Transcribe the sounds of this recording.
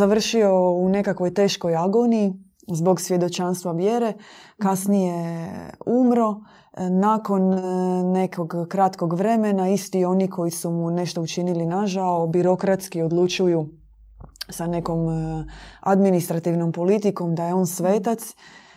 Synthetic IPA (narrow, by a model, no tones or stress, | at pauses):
aʋr̩ʃioune̞kakʋo̞jt̪e̞ːʃkojaɡonii | zbo̞ɡsʋje̞d̪o̞t͡ʃanst̪ʋaʋje̞ɾe̞kasnije̞ | umɾo̞ | naːko̞nne̞kʰo̞ɡkɾat̪koɡʋɾe̞menaist̪io̞nikʰo̞jisumune̞ʃt̪o̞ut͡ʃinilinaʒaobiɾo̞kɾat̪skiod̪lˠut͡ʃuju | sane̞ko̞m | ad̪minist̪ɾat̪iʋno̞mpo̞lit̪iko̞md̪aje̞o̞ːnsʋeːt̪at̪s